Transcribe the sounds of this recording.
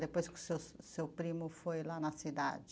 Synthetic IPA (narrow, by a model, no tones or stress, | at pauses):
d̪epojsksessewpɾĩmʊfojlanɐsid̪a̰d͡ʒɪ